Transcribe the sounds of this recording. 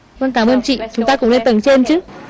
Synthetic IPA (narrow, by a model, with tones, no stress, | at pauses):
və˧˨nkaː˧˩mʔəː˧nt͡ɕḭ˧˨t͡ɕʊ˨˦ŋ͡mt̪aː˧kʊ̰˧˥ŋ͡mle˧nt̪ə˨˧˩ŋt͡ɕe˧nt͡ɕɨ˨˦